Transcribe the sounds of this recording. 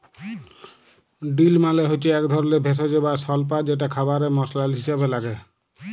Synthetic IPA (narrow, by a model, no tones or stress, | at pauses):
ɖilmaleɦot͡ʃʰiɛkd̪ʱɔɾɔlebʱes̬ɔd͡ʒebasɔlp̬ad͡ʒeʈ̬akʰabaɾemɔslalɦisabelaɡe